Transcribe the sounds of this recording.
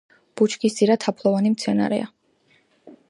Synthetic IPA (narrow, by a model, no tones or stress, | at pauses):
b̥ut͡ʃʰkisd̪iɾat̪ʰapʰlˠɔvanimt̪sʰɛna̰ɾɛ̰a